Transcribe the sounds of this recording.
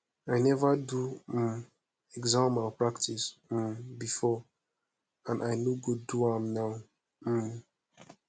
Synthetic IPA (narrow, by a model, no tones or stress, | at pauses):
ajnɛvadu | ɛɡzãmapɹaktʰis̩mbifɔ | ãnʔaɪnoɡoduãmnaʊ